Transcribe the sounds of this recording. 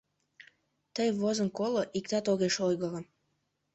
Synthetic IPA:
t̪əjβozənkoloʔik̚t̪ɑt̪oɣeʃojɣələm

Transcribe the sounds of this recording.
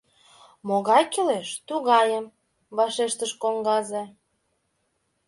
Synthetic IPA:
moɣɑjkeleʃt̪uɣɑjəm | βɑʃeʃt̪əʃkoŋɡɑze

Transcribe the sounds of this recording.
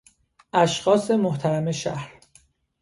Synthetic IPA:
ʔæʃxɒːse̞moht̪ʰæɾæme̞ʃæ̰hɾ

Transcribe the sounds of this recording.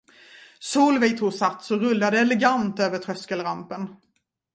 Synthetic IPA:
suːlvɛjt̪ʰuːsat̪ːsɔɾɵlːad̪əɛlɛɡant̪øːvəʈ̪ʰɾœskəlɾampən

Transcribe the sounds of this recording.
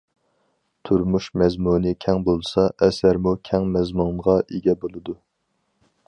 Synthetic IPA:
t̪ʰuɾmuʃmɛzmunɨkʲʰɛŋbolˠsɑʔɛsæɾmukʲʰɛŋmɛzmuŋʁɑʔeɡʲɛbolˠɨd̪u

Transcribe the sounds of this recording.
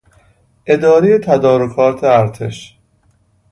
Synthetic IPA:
ʔe̞d̪ɒːɾejet̪ʰæd̪ɒːɾokʰɒːɾt̪ʰeæɾt̪ʰeʃ

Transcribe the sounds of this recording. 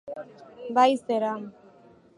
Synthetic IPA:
bajseɾa

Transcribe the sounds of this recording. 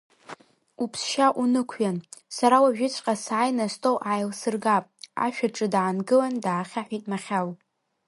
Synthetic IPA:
upʰsʃaʔunɨkʷʰjansaɾawaʒᶣɪt͡ɕʷʰʼqʼasaːjnastʰʼowʔajlsɨrɡapʼa̰ʃᶣaʈ͡ʂʼɨdʕanɡɨlandaːχʲaħʷitʼmaχʲal

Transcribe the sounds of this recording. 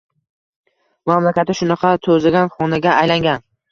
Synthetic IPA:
mamlakʲat̪ːɪʃʊnɑqʰɑt̪ʰɵzɪɡʲanχɒnaɡʲaːjlaŋɡʲan

